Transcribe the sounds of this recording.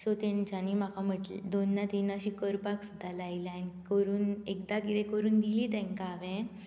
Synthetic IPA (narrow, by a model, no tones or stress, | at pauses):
sot̪ɛ̃nt͡ɕanimakʰam̤əʈlid̪onːat̪inaɕiːkəɾpaksud̪ʱːalailanikəɾuːnekd̪akit̪ẽkəɾuːnd̪iliːt̪ɛ̃ŋkaːʋɛ̃